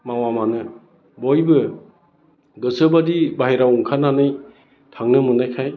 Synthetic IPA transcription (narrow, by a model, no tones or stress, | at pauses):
mawamanɯ | bɔjbɯ | ɡɯsəbadibaɦiɾawuŋkʰananɯj | tʰaŋnɯmɯnajkʰaj